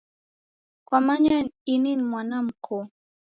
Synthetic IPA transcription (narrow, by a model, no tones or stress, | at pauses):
kwamaɲanininmwanamkʰʊ